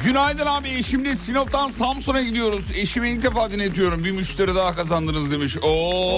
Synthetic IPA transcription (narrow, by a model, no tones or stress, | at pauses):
ɟynajd̪anaːbieʃimd̪lisinop̚t̪ʰansamsonaɟid̪ijo̞ɾuze̞ʃimiilc̚d̪efaːd̪inet̪ʰijo̞ɾumbimyʃt̪ʰeɾid̪aakazand̪ɯnɯzd̪e̞miʃo